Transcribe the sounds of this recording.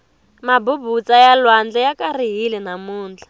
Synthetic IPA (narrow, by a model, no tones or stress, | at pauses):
mabubut͡sajalwand͡ɮɛjakariɦilɛnamuːnd͡ɮḁ